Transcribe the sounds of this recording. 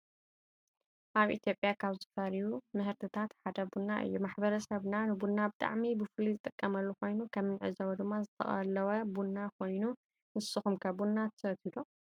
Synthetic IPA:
ʔaβʔḭt̪ʰjo̞pʼjakʰaβzɨfɐɾjumɨhɨɾt̪ʰɨt̪ʰat̪ħad̪ɐbunːaʔɨ̰jːumaħbɐɾɐsɐβnanɨbunːabɨt̪ʼa̰ʕmibɨfɨlizɨt̪ʼɨkʼːɐmɐlːuko̞jnukʰɐmɨnʕɨ̰zɐwɐd̪ɨmːazɨt̪ʰɐ̰χʼɐlːɐwɐbunːakʰo̞jnu | nɨsɨxumkʰɐbunːat̪ʰɐ̥sɐt̪id̪u

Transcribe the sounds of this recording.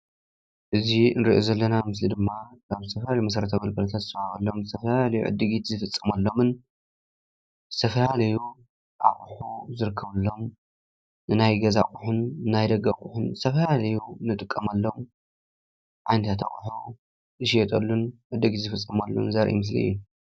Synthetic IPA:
ʔɨzinɾiʔozɐlːɐnamɨslid̪ɨmːakaβzɨt̪ʰɐfɐlalɐjmɐsɐɾɐt̪ʰamɐlkʰɐlɐt̪ʰat̪zɨsahaɣɐlːo̞mzɨt̪ʰɐfɐlalɐjṵʕɨ̰d̪ːɨɡit̪zɨfɨt͡sʼːɐmalːo̞mɨn | z̥ɨt̪ʰɐfɐlalɐju | ʔa̰χʼħuzɨɾɨkʰːɐβɐlːo̞m | nɨnajɡɐza̰kʼuħʊnɨnajd̪ɐɡakʼuħʊnzɨt̪ʰɐfɐlalɐjunɨt̪ʼɨkʼːɐmalːo̞m | ʕajnɐt̪ʰat̪a̰χʼħu | ɨʃɛt̪ʼɐlːunʕɨd̪ːɨɡit̪zɨfɨt͡sʼːɐmalːo̰mnzɐɾʔḭmɨs̬lḭɨ̰jːu

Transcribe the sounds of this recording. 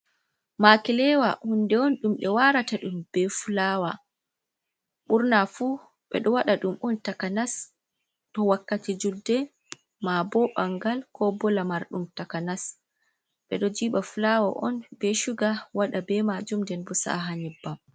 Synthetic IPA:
makilɛwahundɛɔnɗumɓɛwaɾataɗumb̥ɛfulaːwa | ɓuɾnafuː | ɓɛ̰ɗɔwaɗaɗumɔntakanas | tɔwakːatid͡ʒudɛ | mabɔɓaŋɡalkʰɔbɔlamaɾɗumtakanas | ɓɛɗɔd͡ʒiːɓafulawaʔɔnbɛʃuɡawaɗabɛmad͡ʒumdɛnbɔsa̰ɦaɲibːam

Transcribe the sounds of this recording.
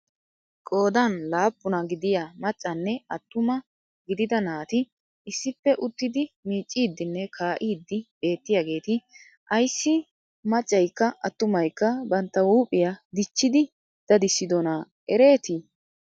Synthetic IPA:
kʼo̞ːd̪ɐnlaːpːʊnɐɡɪd̪ɪjamɐt͡ʃʼːɐnːɛɐt̪ːʊmɐ | ɡɪd̪ɪd̪ɐnaːt̪ɪ | ɪsːɪpːɛʔʊt̪ːɪd̪ɪmiːt͡ʃʼːiːd̪ːɪnːɛkʰaːʔiːd̪ːɪbe̞ːt̪ːɪjaɡe̞ːt̪ɪ | ʔɐjsːɪ | mɐt͡ʃʼːɐjkːɐʔɐt̪ːʊmɐjkːɐbɐnt̪ːɐwuːpʼːɪjad̪ɪt͡ʃːɪd̪ɪ | d̪̥ɐd̪ɪsːɪd̪ɔnaː | ʔɛɾe̞ːt̪i

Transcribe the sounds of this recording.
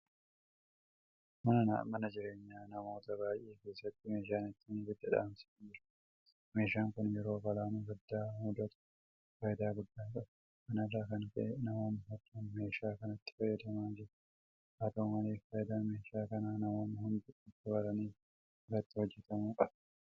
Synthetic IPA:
mɐnɐna̰ːmɐnɐd͡ʒɪɾe̞ːɲːaːnɐmo̞ːt̪ɐbaːjʔːeːke̞ːsːɐt̪ːɪme̞ːʃ̬aːnɪt̪ːɪnbɪd̪ːɐᶑa̰ːmsɪ̥d͡ʒɪɾ | me̞ːʃaːŋkʊnjɛɾo̞ːbɐlaːnuːɡɐd̪ːaːhʊd̪ɐt̪ʊ̥ | fɐjɪd̪aːɡʊd̪ːaːkʼɐb | mɐnɐraːkɐŋkɐ̰ʔɛnɐmoːmɐhɔt̪ːuːnme̞ːʃaːkɐnɐt̪ːɪ̥fɐjːɐd̪ɐmaːnd͡ʒɪɾ | ʔaːt̪ɐmɐleːfkɐjɪd̪aːnme̞ːʃaːkɐnaːnɐmoːmɐhʊnd̪ʊɪt̪ːɪbɐɾɐniːf | rːɐt̪ːɪhɔd͡ʒːɛt̪ɐmuːkʼɐb

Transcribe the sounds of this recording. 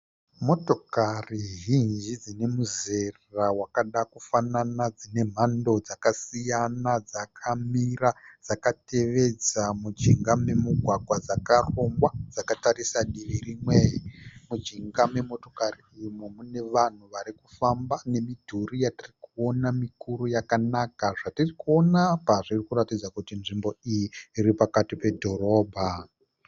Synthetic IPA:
mo̞to̞kariɦind͡ʒid͡zine̞muze̞rrawakaɗakufananad͡zine̞m̤ando̞d͡zakasijanad͡zakʰamirad͡z̥akate̞ʋe̞d͡zamud͡ʒiŋɡame̞muɡʱwaɡʱwad͡zakaro̞ŋwad͡zakataɾisaɗiʋirimweimud͡ʒiŋɡame̞mo̞to̞̥kariimomune̞ʋan̤uʋaɾikufambane̞midʱurijatirikuo̞namikuɾujakanakaʐatirikuo̞napaʐirikuɾatid͡zakutinʐimbo̞ijiːɾipakatipe̞dʱo̞ɾo̞ːbʱa

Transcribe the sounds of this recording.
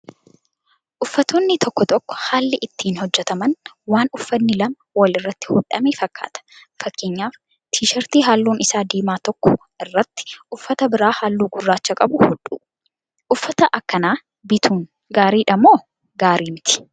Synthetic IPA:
ʔʊfːɐt̪oːnːɪt̪ɔkːɔt̪ɔkːɔ̥haːlːɪʔɪt̪ːiːnhɔd͡ʒːɛt̪ɐmɐn | waːnʊfːɐnːɪlɐmɐwɐlɪrːɐt̪ːɪ̥hʊᶑɐmeːfɐkːa̰ːt̪ɐ̥ | fɐkːeːɲːaːf | t̪ʰiːʃɐɾt̪iːɦaːlːuːnɪsaːd̪iːmaːt̪ɔkːɔ̥ | ɪrːɐt̪ːɪ̥ʔʊfːɐt̪ɐbɪɾaːhaːlːuːɡʊrːaːt͡ʃːɐkʼɐbʊhʊᶑṵː | ʔʊfːɐt̪ɐʔɐkːɐnaː | bɪt̪ʰuːn | ɡaːɾiːᶑɐmoː | ɡaːɾiːmɪt̪ɪ̥

